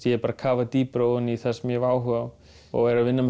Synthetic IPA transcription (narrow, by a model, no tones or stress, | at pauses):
jɛɛɾpaːɾakʰaːvat̪iːpɾoːwʏniθɛsmjɛvaːwɦʏa | ɔ̰ɣɛɾavɪnːam